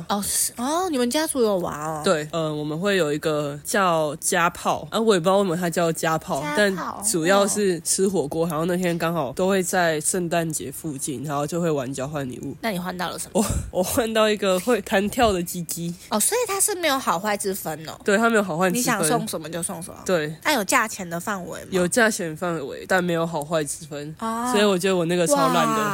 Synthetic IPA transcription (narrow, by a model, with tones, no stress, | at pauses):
ɔ˥˩˨ɔ˥˩ni˨˩mə˨nt͡ɕja˥t͡su˧˥jo˨˩ʊwa̰˧˦nə˦t̪we˥˩ɪə˧wɔ˨˩mə˨˦nxwe˥˩ɪjo˨˩ʊi˧˥ɡə˨t͡ɕjɑ˥˧ʊt͡ɕja˦pʰɑ˥˩ʊʔa˥wɔ˧˥˩e˨˩p̬i˥˧wa˥˩mə˨˩t̪ʰa˥t͡ɕjɑ˥˧ʊt͡ɕja˦˥pʰɑ˥˩ʊt̪a˥˩nʈ͡ʂu˨˩jɑ˥˧ʊʂɻ̩˥˩t͡s̩ʰ˧˥xwɔ˨˩kwɔ˥xa˨˩˦xjo˥˧ʊn˥˩t̪ʰjɛ˥nkɑ˥ŋxɑ˨˩ʊt̪o˥ʊxwe˥˧ɪt͡sa˥˧ɪʂə˥˧nt̪a˥˨˩nt͡ɕjɛ̰˧˥fu˥˧t͡ɕi˥˩na˨˧˦o˥˩t͡ɕjxwe˥˩ɪwa˧˦nt͡ɕjɑ˥˧ʊxwa˥˩nlḭ˨˩ṵ˥˩na˥˩ni˨˩xwa˥˧nt̪ɑ˥˩ʊlə˨˩ʂə˨˦mɔ˨˩wɔ˨˩xwa˥˧nt̪ɑ˥˩ʊi˧˥ɡə˨xwe˥˩ɪt̪ʰa˧˥nt̪ʰjɑ˥˩ʊd̪ə˨t͡ɕi˥t͡ɕi˥ɔ˥˩swɔ˧˥i˨˩t̪ʰa˥ʂɻ̩˥˩me˧˥ɪjo˧˥ʊxɑ˨˩ʊxwa˥˩ɪt͡sɻ̩˥fə˦nə̰˨we˥˩ɪtʰa˥me˧˥jo˧˩xɑ˨˩xwa˥˧ni˨ɻɕɑ˥˨ŋə˦sɔ˥˨ŋʂə˨˦nmə˦t͡ɕjo˥˧ʊsɑ˥˩ŋʂə̰˨˦mə̰˦t̪we˥˩ɪna˥jo˨˩ʊt͡ɕja˥˩t͡ɕʰjɛ˧˥nd̪ə˨˧fa˥˩nwḛ˧˦ɪjo˨˩ʊt͡ɕja˥˩t͡ɕʰjɛ˧˥nfa˥˩nwḛ˧˦ɪt̪a˥˩nme˧˥ɪjo˧˥ʊxɑ˨˩ʊxwa˥˩ɪt͡sɻ̩˥fə˦nswɔ˧˥i˨wɔ˨˩t͡ɕɥɛ˧˦d̪ə˧wɔ˨˩na˥˩ɡə˨˩t͡sʰa˧˥la˧˥˦nd̪ə˨